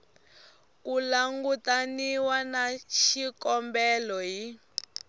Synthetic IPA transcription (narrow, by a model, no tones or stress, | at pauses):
kulaŋɡutaniwanaʃikɔmbɛlɔɦi